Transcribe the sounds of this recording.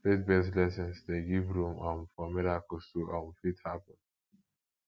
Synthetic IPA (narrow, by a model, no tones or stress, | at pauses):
fet̚bɛslɛsɛ̃nsdeɡivɹũmãmfɔmɛɾakɔsuʔãmfithapɔ̃n